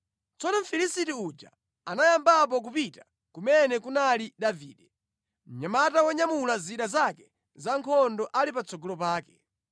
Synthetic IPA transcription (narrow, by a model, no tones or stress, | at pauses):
t͡sɔnɔm̩filisitiud͡ʒa̰ | anajambap̬ɔk̬upita | kumɛnɛkunaliɗaviːɗɛ | m̩ɲamatawɔɲamulaziɗazakɛ | zaŋkʰɔndɔʔalipat͡sɔɡɔlɔpaːkɛ